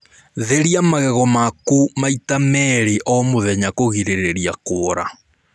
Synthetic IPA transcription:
ðeɾiamaɣɛɣɔmakumaitamɛɾeʔɔmoðɛɲakoɣiɾeɾeɾiakoːɾa

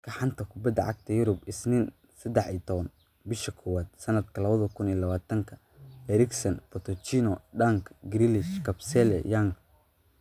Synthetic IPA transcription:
kʰɐħɑnt̪ʰɐkʰʊbɐd̪ːɐʕɑ̰ɡ̚t̪ʰɐjʊɾʊbɪsnɪn | sɐd̪ɛħit̪ʰɔβɐn | bɪʃɐkʰʊwaːd̪̥sɐnɐd̪kʰɐlɐβɐðɐkʰʊnilɐβaːt̪ʰɐŋkʰɐ | ɛɾɪksɐnpɔt̪ʰɔt͡ʃinɔɖaŋkʰɡɾilɪʃkʰɐbsɛlɛ̰jaŋkʰ

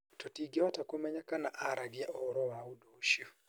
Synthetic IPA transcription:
totiɡiɔtakomɛɲakanaʔaɾaɡɪaʔɔɾɔwaudoʃu

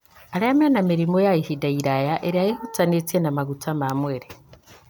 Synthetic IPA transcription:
aɾajamenamiɾimojaihidaiɾajaʔeɾiajehut͡sanet͡senamaɡutamamweɾe

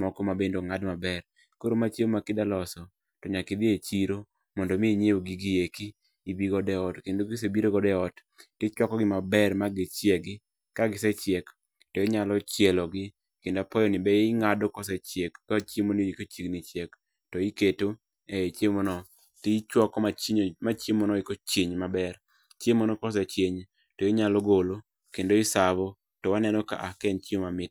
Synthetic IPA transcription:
mɔkɔmabendoŋadmabɛr | koɾomat͡ʃemmakɪdalɔsɔ | tɔɲakɪd̪ɪet͡ʃiɾo | mɔndɔmɪɲewoɡɪɡɪjekiː | biɡɔdɛɔtkendoɡɪs̬ebiɾoɡɔdɛɔt | tɪt͡ʃwɔkɔɡɪmabɛrmaɡɪt͡ʃɛɡɪ | kaɡɪsɛt͡ʃjɛk | tɔɛɲalɔt͡ʃjɛlɔɡɪ | kendapɔjɔnɪbɛŋadɔkɔs̬ɛt͡ʃjekːat͡ʃimonijikot͡ʃiɡnit͡ʃjek | tɔiketo | et͡ʃjemɔnɔ | tɪt͡ʃwɔkɔmat͡ʃiɲmat͡ʃemɔnɔɪkot͡ʃeɲmabɛr | t͡ʃemɔnɔkɔs̬ɛt͡ʃeɲ | tɔjiɲalɔɡolo | kendoisabɔ | tɔwanɛnɔka̰ʔakɛnt͡ʃiomamɪt̚

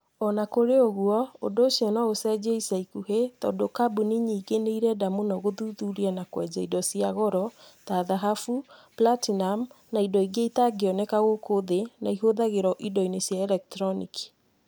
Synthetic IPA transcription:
ɔnakoɾeoɣuɔodoːsiɔnaosɛd͡ʑeisaikuɦetɔ̰ːndokabuniɲiːɡeneiɾɛdamunɔɣoðuðuɾianakwɛd͡ʑaidɔsiaɣɔɾɔtaðaɦafuplatinam | naidɔiɡeitaɡeɔnekaɣokoðenaiɦoðaɣeɾɔʔidɔinesjaɛlɛk̚tɾɔniki̥

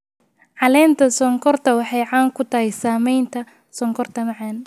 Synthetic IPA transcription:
ʕɑlɛːnt̪ʰɐsɔŋkʰɔrt̪ʰɐwɑħɑjʕɑːŋkʰʊt̪ʰɐhɛjsaːmɛjnt̪ʰɐ | sɔŋkʰɔrt̪ʰɐmɑʕɑːn

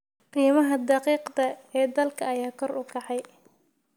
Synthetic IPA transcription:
qiːmɐɦɐd̪ɑqiːqd̪ɐɛːd̪ɐlkʰɐːjaːkʰɔrʊkʰɑħɑj

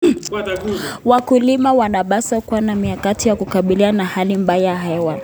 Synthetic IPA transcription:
wakulimawanaɓasakuwanamiakatijakukaɓilianahalimbajaaɦɛwa

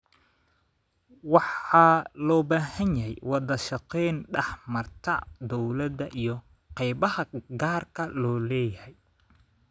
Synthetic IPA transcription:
wɑħɑlɔːbaːhɐnjɐɦɛjwɑðɐʃɑqɛjnɖɛħmɐrt̪ʰɐd̪ɔwlɐd̪ɐʔijɞ | qɛjbɐhɐɡaːrkʰɐlɔːlɛːjɐhɛj

